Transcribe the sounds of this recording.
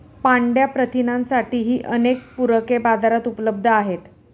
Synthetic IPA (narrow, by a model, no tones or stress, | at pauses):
paɳɖjapɾət̪inãnsaʈiːɦiːʔənek̚puɾəkebad͡zʱaɾat̪upələb̚d̪ʱəaɦet̪